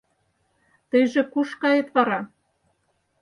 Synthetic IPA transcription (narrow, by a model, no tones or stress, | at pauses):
t̪ɤjʒĕkuʃkɑjet̪βɑɾɑ